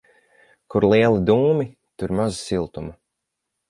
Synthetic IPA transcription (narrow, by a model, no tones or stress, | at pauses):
kuɾlˠiɛlˠid̪uːmi | t̪uɾmazi̥silˠt̪uma